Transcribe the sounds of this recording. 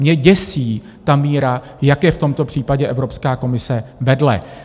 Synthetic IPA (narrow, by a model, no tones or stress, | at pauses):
ɲɛɟɛsiː | t̪amiːɾa | jakjɛft̪o̞mt̪o̞pr̝̥iːpaɟɛʔɛvɾo̞pskaːko̞mɪsɛvɛdlɛ̰